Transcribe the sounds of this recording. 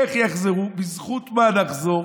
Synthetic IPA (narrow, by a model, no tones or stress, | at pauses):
eχjaχzeʁubizχut̪manaχzo̞ʁ